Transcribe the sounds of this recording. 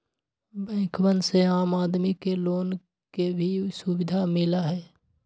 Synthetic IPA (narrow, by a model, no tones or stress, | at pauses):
bɛ̃ːkʰwənseaːmaːd̪mikeloːn | kebʱisʊwɪd̪ʱamɪlaɦɛː